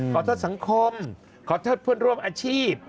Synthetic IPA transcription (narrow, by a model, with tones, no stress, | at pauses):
kʰɔː˨˦t̪ʰoː˦˥t̪̚sa˨˦ŋkʰo˧m | kʰɔː˩˦t̪ʰoː˦˥˩t̪̚pʰɯ˥ənɾu˧˩əmʔaː˧t͡ɕʰiː˥˩p̚